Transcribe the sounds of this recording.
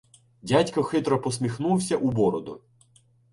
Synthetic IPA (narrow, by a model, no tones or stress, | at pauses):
dʲatʲkɔxɪt̪ɾɔpɔsmʲixnuwsʲɐʔubɔɾɔd̪ʊ̰